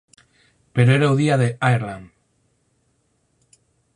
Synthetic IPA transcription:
peɾoeɾauðiaðeajɾlan

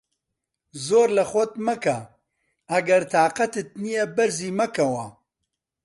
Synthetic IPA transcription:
zoːɾlɐxʷɔt̪̚mɐkɐ | ɐɡɐɾt̪ʰaːqɐt̪ɨt̪̚nijɛbɐɾziːmɐkɐwɐ

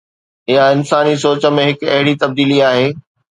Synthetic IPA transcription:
ɪjaɪnsaːnisoːt͡ɕə̆mẽɦɪkɐ̰ɦɪɽit̪ɐb̚d̪iːliaːɦeː

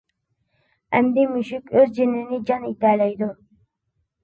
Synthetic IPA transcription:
æmd̪imʊʃʊkʲøzd͡ʒɪnɪnɪd͡ʒɑnit̪ælæjd̪ʊ

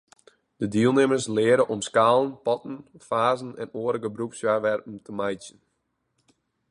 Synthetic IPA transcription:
d̥ədiəlˠnɪməslɪːəɾəʔɔmskaːlˠənpɔtn̩faːzənɛnoːəɾəɡəbɾupsjarʋɛrpn̩təmajtjən

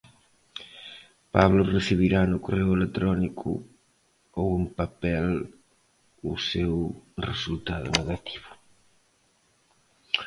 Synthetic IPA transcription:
pa̰βlʊresiβiɾanʊkorewelet̪ɾɔnikʰʊ̰ | owempapɛl | ʊ̰sewresult̪aðʊ̰neɣat̪ʰi̥βʊ

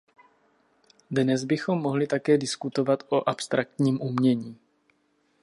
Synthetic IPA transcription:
dnɛzbɪxo̞mːo̞ɦlɪt̪akɛːdɪskut̪o̞vat̪ʔo̞ʔapst̪ɾak̚t̪ɲiːmʔumɲɛɲiː

